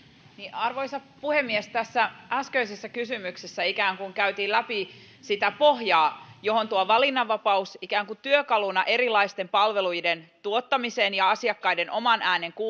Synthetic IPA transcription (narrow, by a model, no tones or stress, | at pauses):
niʔɑrʋo̞jsɑpuhemːiest̪æsːææskøisesːækysymyksesːæikæːŋkuŋkæyt̪iːlæpi | sit̪æpohjɑːjo̞ɦo̞nt̪uɑʋɑlinːɑʋːɑpɑusikæːŋkut̪yøkɑlunɑʔe̞ɾilˑɑist̪e̞mpɑlʋe̞lujdent̪uot̪ːɑmiseːnjɑɑsiɑkːɑjde̞nʔo̞mɑnʔæːne̞ŋku